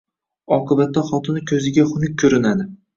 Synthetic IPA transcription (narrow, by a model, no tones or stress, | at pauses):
ɒqʰɨbat̪ːaχɒt̪ʰɪnɪkʲʰɵzɪɡʲaχʊnɪk̚ʲʰːɵɾɪnad̪ɪ